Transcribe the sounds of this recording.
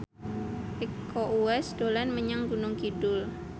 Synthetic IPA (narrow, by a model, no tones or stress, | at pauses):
ikʰːoʔuɛsd̥olanməɲaŋɡunʊŋkidʊl